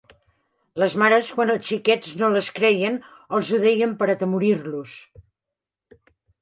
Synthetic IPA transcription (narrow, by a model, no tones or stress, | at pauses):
ləzmaɾəskwanəlˠst͡ʃikɛznoləskɾɛjən | əlˠzuðɛjəmpəɾət̪əmuɾirlus